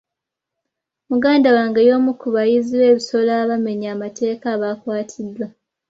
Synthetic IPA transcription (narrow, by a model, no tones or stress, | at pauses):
muɡaːndawaːŋɡejo̞ːmukuβajiziwe̞ːβiso̞laːβame̞ɲaːmate̞ːkaːβaːkwaːtʰidwa